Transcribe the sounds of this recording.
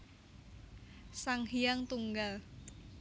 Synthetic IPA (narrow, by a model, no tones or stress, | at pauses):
saŋhijaŋt̪uŋɡal